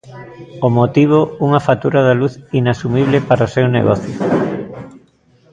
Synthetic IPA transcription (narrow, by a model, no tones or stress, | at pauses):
omot̪iβ̞ouŋafat̪uɾaðaluθinasumiβ̞lepaɾosewnḛɣɔθjʊ